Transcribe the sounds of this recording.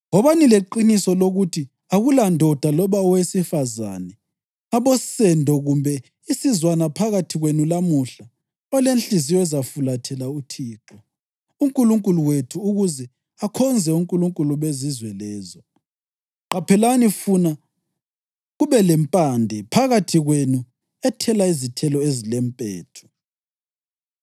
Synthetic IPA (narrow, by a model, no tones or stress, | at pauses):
ɔβanileǃinisɔloɣutʰi | aɣulandʱɔd̥ʱalɔβaɔwesifaza̰nɛ | aβɔsɛndʱɔɣumbʱɛ | isizwanapʰaɣatʰiɣwenulamuɬa | ɔlenɬizijɔzafulatʰɛlautʰiːǁɔ | uŋkʼuluŋkʼuluwetʰuːɣuzɛ | akʰɔnd͡zʱɛuŋkʼuluŋkʼuluβezizwɛlɛːzɔ | ǃapʰɛlanifuna | ɣuβɛlɛmpʼandʱɛpʰaɣatʰiɣwenu | ɛtʰɛlaizitʰɛlɔezilɛmpʼɛːtʰɔ̥